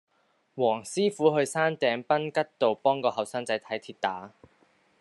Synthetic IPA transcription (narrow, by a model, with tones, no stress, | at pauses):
wɔː˨˩ŋsiː˥fuː˨˥ɦɵ˧ɥsaː˥nt̪ɛː˨˧ŋpɐ˥nkɐ˥t̚t̪o˨wpɔː˥ŋkɔː˧ɦɐ˨˩wsaː˥ŋt͡sɐ˨˥jt̪ʰɐ˨˥jt̪ʰiː˧t̚t̪aː˨˥